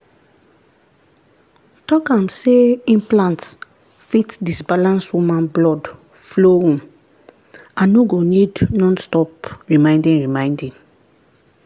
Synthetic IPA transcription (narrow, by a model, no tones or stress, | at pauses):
tɔkãmseĩmplãnts | fitdisbalãnswũmãnblɔd | floũm | ãnːoɡonidnɔ̃nstɔpɹimãɪ̃ndĩŋɹimãɪ̃ndĩŋ